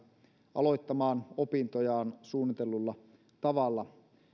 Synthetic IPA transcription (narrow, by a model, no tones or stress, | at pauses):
ɑ̰lo̞jt̪ːɑmɑːnopint̪ojɑːnsuːnːit̪e̞lːulːɑ | t̪ɑʋɑlːɑ